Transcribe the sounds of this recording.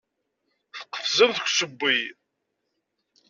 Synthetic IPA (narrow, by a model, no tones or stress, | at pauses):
θə̥qːə̥fzəmθkʷːsəbːi